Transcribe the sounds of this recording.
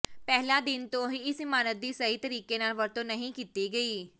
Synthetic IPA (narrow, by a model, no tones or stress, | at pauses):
pɛɦlaːd̪ɪnt̪õːɦiɪsɪmaːnət̪̚d̪iːsəɦit̪əɾiːkenaːlʋəɾt̪õːnəɦĩkiːt̪iɡəiː